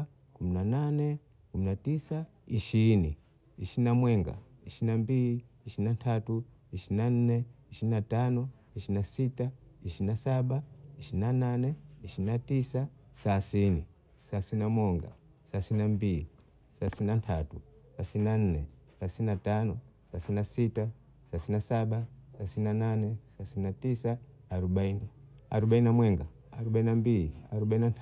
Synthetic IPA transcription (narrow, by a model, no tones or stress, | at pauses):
kuminananɛ | kuminatisa | iʃini | iʃinamwɛŋɡa̰iʃinambii | iʃinantʰatu | iʃinan̩nɛiʃiinatanɔ | iʃinasitaiʃinasaɓaiʃinananɛiʃinatisa | sasini | sasinamɔŋɡa̰ | sasininambili | sasiinantʰatusasininan̩nɛ | sasininatanɔsasinasita | sasiinasaɓasasininananɛsasininatisa | aɾuɓaini | aɾuɓaininamwɛŋɡa | aɾuɓaininambiliaɾuɓaininant